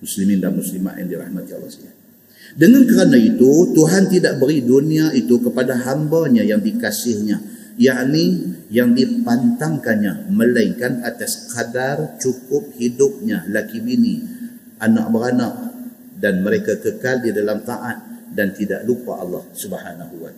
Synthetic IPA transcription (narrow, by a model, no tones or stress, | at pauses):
muslimindanmuslima̰ʔ̪ja̰ŋdiɾahmat̪ia̰lːɑ̰saa | dəŋankəɾanait̪ut̪uɦant̪idaʔbəɾiduniait̪ukəpadaɦambaɲajaŋdikasɪhɲa | jaʔnijaŋdipant̪aŋkanɲaməlaiŋkanat̪askadart͡ʃukʊp̚hidʊp̚ɲalakibini | ʔana̰ʔ̚bəɾanaʔ | danməɾekakəkaldidalamt̪aʔat̪̚dant̪idaʔlupa̰ʔɑlːɑhsubhanaɦuwat̪